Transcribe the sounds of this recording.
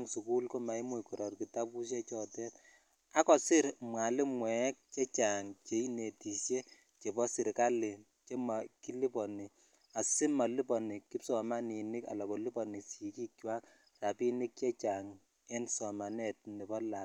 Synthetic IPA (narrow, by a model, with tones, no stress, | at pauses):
ŋsu˨ku˦lko˦ma˨i˦mu˦kɔ˨ɾɔ˨rki˨ta˦pu˦ʃ̬ɛ˦t͡ʃɔ˨tɛ˦t | a˦kɔ˨sɪ˦ɾmwa˨lɪ˦mwɛ˨˦k̚t͡ʃɛ˦t͡ʃa˨ŋt͡ʃe˨i˦ne˨ti˨ʃje˦ | t͡ʃe˨bɔ˦sɪ˨ɾka˦lɪ˨ | t͡ʃe˦ma˨ki˦li˦pɔ˨ni˨ | a˨sɪ˦ma˨li˦pɔ˨ni˨ki˦psɔ˨ma˦ni˨nɪ˦ka̰˨la˨kɔ˨li˦pɔ˨ni˨si˨ki˦kjwa˦k | ra˨pi˦nɪ˦k̚t͡ʃɛ˦t͡ʃa˨ŋ | ɛ˦nsɔ˨ma˨nɛ˨t̚ni˨bɔ˦la˨